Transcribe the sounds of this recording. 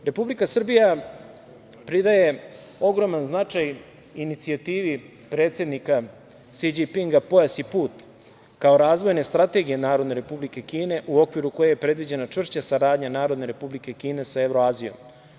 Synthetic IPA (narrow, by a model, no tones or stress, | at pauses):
ɾe̞publikasr̩bija | pɾid̪aje̞ | o̞ɡɾo̞manznat͡ʂaj | init̪siat̪iːʋi | pɾeːt̪se̞d̪nika | sid͡ʑipiŋɡapo̞jasipuːt̪ | kao̞ɾaːzʋo̞jne̞st̪ɾat̪e̞ɡijenaːɾo̞d̪ne̞ɾe̞publike̞kiːne̞ʔuo̞kʋiɾuko̞jejepɾe̞d̪ʋid͡ʑe̞nat͡ʂʋr̩ʃt͡ɕasaɾaːd̪ɲanaːɾo̞d̪ne̞ɾe̞publike̞kiːne̞sae̞ʋɾo̞aːzijo̞̰m